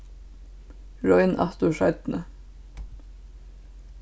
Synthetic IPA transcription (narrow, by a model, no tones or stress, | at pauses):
ɹɔɪnʔɑ̰t̪ʊʃɑɪt̪nə